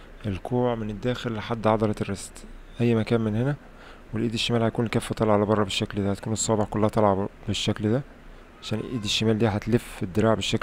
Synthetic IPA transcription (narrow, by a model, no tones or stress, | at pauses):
ʔelkuːʕmened̪ːæːxelːħad̪ːʕɑd̪ˤɑɾˤɑt̪erːestʔæjːmækæːnmenhenæ | welʔiːd̪eʃːemæːlhæjkuːnkæːfːæt̪ˤɑlʕalæbɑrˤːɑbeʃːækld̪æhæt̪kuːnesˤːɑːbeħkolːæhæt̪ˤɑlʕɑbeʃːækld̪æ | ʕaʃæːnʔʔiːd̪eʃːemæːld̪iːɦæt̪lefed̪ːeɾɑːʕbeʃːæk